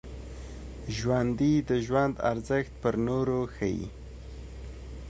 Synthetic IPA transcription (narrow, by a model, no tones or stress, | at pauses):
ʒwand̪id̪əʒwand̪a̰ɾzəxt̪̚pəɾnoɾoxəjḭ